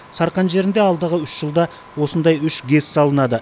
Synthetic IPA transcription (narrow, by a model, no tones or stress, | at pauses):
sɑɾqɑnʒe̞ɾɪnd̪e̞ɑlˠd̪əʁəʏʃʒ̥əlˠd̪ɑ | wo̞sənd̪ɑjʏʃɡʲe̞ssɑlˠənɑd̪ə